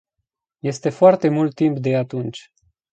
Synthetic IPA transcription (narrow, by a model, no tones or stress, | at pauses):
je̞st̪e̞foart̪e̞mult̪ːimpd̪e̞at̪unt͡ʃʲ